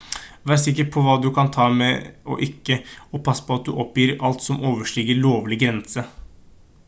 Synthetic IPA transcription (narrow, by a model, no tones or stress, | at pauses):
ʋæːsɪkːəɾpʰɔʋɑːd̪ʉkʰɑnt̪ʰɑːmɛɔ̰ʔɪkːəɔpʰɑsːə̥pʰɔɑt̪̚d̪ʉʔɔpːjiːɾɑlt̪sɔmoːʋəʂɭiːɡəɭoːʋlɪɡɾɛnsə